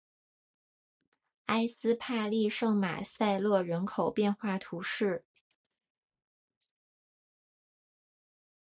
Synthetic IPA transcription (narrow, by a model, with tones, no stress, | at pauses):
a˥ɪsɹ̩˥pʰa˥˧li˥˧ʂɤ˥˩ŋma̰˨˩sa˥˧ɪlɤ˥˧ɻə˧˥nkʰo˨˩ʊpjɛ˥˧nxwa˥˩t̪ʰu˧˥ʂɻ̩˥˩